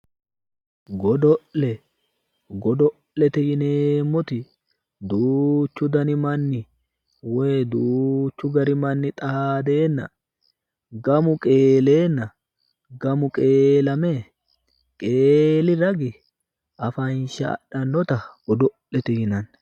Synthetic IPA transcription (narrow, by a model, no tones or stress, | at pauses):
ɡɔd̪ɔʔlɛ | ɡɔd̪ɔ | lːɛt̪ɛhɪneːmːɔt̪ɪ | d̪uːt͡ʃːʊd̪ɐnɪmɐnːɪ | wɛjd̪uːt͡ʃːʊɡɐɾɪmɐnːɪt̪ʼɐaːd̪e̞ːnːɐ̰ | ɡɐmʊkʼe̞ːle̞ːnːɐ | ɡɐmʊkʼe̞ːlɐme | kʼeːlɪɾɐɡɪ | ʔɐfɐnʃɐ̰ɗɐnːɔt̪ɐɔd̪ɔ | lɛt̪ɛhɪnɐn